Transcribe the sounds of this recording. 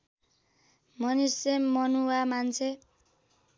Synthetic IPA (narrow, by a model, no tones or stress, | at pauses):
mʌnisemːʌnuwamant͡sʰe